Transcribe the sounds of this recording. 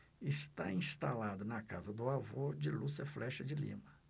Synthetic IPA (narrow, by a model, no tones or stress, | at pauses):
ɪst̪aĩst̪alad̪ʊnɐka̰zɐd̪ʊavod͡ʒɪlusɐflɛʃɐd͡ʒɪlḭ̃mɐ